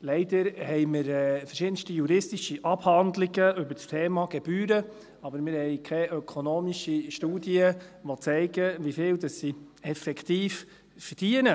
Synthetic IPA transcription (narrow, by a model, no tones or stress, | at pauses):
lɛɪd̪əɾhɛɪmɪɾɛfərʃɪd̥ən̩ʃtijuɾɪstiʃiʔɑb̥hɑndliɡəʏbəɾst̪ʰɛːmɑɡɛb̥yːɾə | ɑbəɾmɪːɾhɛɪkʰɛʔœkʰonoːmiʃiʃtuːdiəʋɔt͡sɛɪɡəʋifɪːldɑsːiɛfɛkʰt̪iːf | fərd̥iənə